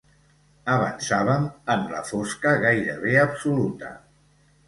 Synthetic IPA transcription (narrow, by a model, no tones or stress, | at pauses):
əβə̰nsaβ̞əməmlə̰foskəɣajɾəβ̞eəpsulut̪ə̰